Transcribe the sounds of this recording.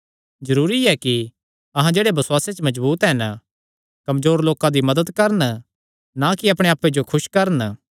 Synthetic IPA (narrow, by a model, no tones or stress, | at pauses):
zɐɾuːɾiɛki | ɐɦãd͡ʒeːɽebɐsʊwaːset͡ʃmɐd͡ʒbuːt̪ɦɛn | kɐmzoːɾloːkãd̪imɐd̪əd̪kɐɾən | nakiɐpɽ̃eaːpːed͡ʒokʰʊʃkɐɾən